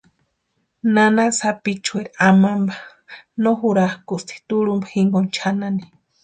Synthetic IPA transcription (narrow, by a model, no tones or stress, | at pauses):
nanasapit͡ʃueɾamambḁ | noɦuɾahkust̪ʰi̥t̪uɺumbḁhiŋɡont͡ʃʰanani